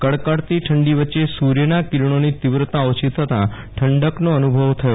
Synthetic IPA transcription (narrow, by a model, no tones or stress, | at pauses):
kəɽkəɽt̪iʈʰəɳɖiʋətːʃesuɾjənakiɾɳ̃onit̪ɪʋɾət̪aot͡ʃit̪ʰət̪ã̰ | ʈʰəɳɖəknoənubʱəʋt̪ʰəjo